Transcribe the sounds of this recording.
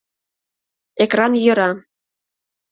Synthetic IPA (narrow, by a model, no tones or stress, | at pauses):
ekrɑnjɤ̆ɾɑ